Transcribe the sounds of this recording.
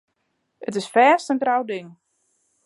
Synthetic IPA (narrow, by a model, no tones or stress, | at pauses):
ətɪsfɛːstəntrawdɪŋ